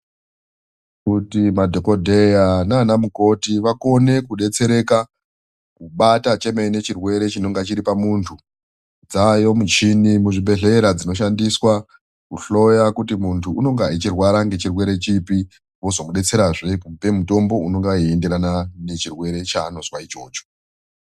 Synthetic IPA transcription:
kutimadʱoko̞dʱe̞jananamuko̞tiʋako̞ne̞kuɗe̞t͡se̞ɾe̞ka | kuɓatat͡ʃe̞meine̞t͡ʃirwe̞ɾe̞t͡ʃino̞ŋɡat͡ʃiɾipamuntʰu | d͡zajo̞mut͡ʃinimuʐiɓe̞ɮe̞ɾad͡zino̞ʃ̬andiswa | kuɬo̞jakutimuntʰuuno̞ŋɡait͡ʃirwaɾaŋɡe̞t͡ʃirwe̞ɾe̞t͡ʃipi | wo̞zomuɗe̞t͡se̞ɾaʐepe̞muto̞mbo̞uno̞ŋɡaiende̞ɾanane̞t͡ʃirwe̞ɾe̞t͡ʃaːno̞zwait͡ʃo̞̰ːt͡ʃo̥

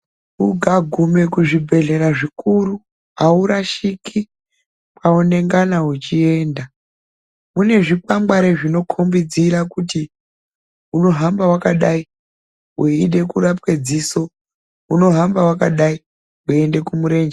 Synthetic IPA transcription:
uɡʱaɡʱume̞kuʐibʱe̞ɮe̞ɾaʐikuɾu | ɦauɾaʃiki | pʰaone̞ŋɡanaut͡ʃie̞ːnda | mune̞ʐik͡pamɡaɾeʐino̞kʰombid͡ziɾakuti | uno̞ɦambawakaɗai | uiɗe̞kuɾapwe̞d͡ziso̞ | uno̞ɦambawakaɗai | ue̞nde̞kumuɾe̞ːnd͡ʒe

